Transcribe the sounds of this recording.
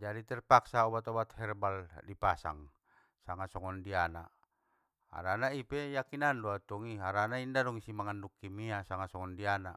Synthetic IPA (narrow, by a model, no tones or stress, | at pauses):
d͡ʒadit̪ɛrpaksaɔbat̪ɔbat̪hɛrbaldipasa̰ŋ | saŋasɔŋɔndiana̰ | a̰ɾanaipɛjakinandɔat̪ɔŋiaɾanaindadɔŋisimaŋandukːimiasaŋasɔŋɔndiana̰